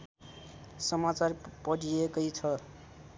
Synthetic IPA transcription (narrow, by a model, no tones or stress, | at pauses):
sʌmat͡sarpʌɽiekʌjt͡sʰʌ